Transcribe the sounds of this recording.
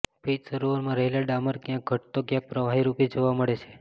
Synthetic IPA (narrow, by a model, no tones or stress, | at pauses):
pit͡ʃsəɾoʋəɾmãɾəɦelaɖaməɾkjãk̚ɡʱəʈt̪oɡjãk̚pɾəʋaɦiɾuped͡ʒoʋaməɭet͡ʃʰe̥